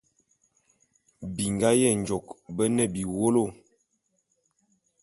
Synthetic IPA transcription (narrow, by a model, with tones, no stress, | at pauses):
bi˨ŋɡa˦jɛ˦˨nd͡ʒɔ˨kbə˦nə˦˨bi˨wo˦lo˦˨